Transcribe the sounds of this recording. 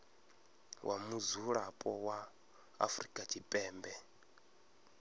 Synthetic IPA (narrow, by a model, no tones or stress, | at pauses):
wʔamuzuɺapʼɔwa̰ː | fɾikʼat͡ʃʰipʼɛːmbɛ